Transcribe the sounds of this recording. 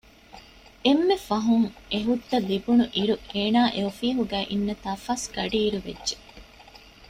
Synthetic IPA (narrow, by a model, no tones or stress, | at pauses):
emːefɐɦuŋeɦud̪ːɐlibunuʔiɾueːnaːʔeofiːɦuɡæːʔinːɐt̪aːfaːsɡ̥ɐɖiːɾuʋḛdːʒe